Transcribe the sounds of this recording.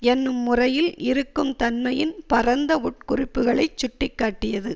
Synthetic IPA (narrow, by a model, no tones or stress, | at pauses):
ɛnːɯmːʊrɐjɪlɪɾɯkːɯmt̪ɐnmɐjɪnpɐrɐnd̪ɐʊʈ̚kʊrɪpːɯɣɐɭɐɪt͡ʃːʊʈːɪkːaːʈːɪjɐðɯ